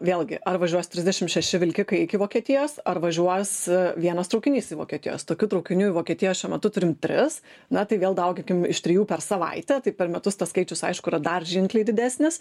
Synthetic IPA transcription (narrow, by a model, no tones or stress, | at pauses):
ʋʲeːlˠɡʲɪʔɐrʋɐʒʲuɔst̪ʲɾʲɪzʲd̪ʲɛʃʲɪmʃʲɛʃʲɪʋʲɪlʲkʲɪkɐɪɪkʲɪʋoːkʲiɛt̪ʲɪjoːsɐrʋɐʒʲuɔsʋʲiɛnɐst̪ɾɐʊkʲɪnʲiːsiʋo̰ːkʲiɛt̪ʲɪjo̰st̪oːkʲuːt̪ɾɐʊkʲɪnʲuːʋoːkʲɛt̪ʲɪjoːsʃʲuɔmʲɛt̪ʊt̪ʊɾʲɪmt̪ʲɾʲɪs | nɐt̪ɐɪʋʲeːlˠd̪ɐʊɡʲɛkʲɪmɪʃt̪ʲɾʲijuːpʲɛrsɐʋɐ̰ɪt̪ʲɛt̪ɐɪpʲɛɾmʲɛt̪ʊst̪ɐskɐɪt͡ʃʲʊsɐɪʃkʊiɾɐd̪ɐrʒʲɪŋklʲɛɪd̪ʲɪd̪ʲæːsʲnʲɪs